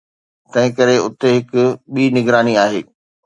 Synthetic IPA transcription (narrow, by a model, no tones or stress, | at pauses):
t̪ɐ̃ɦɪ̃kɐɾeʊt̪eɦɪkʊɓiːnɪɡɾaːniaːɦeː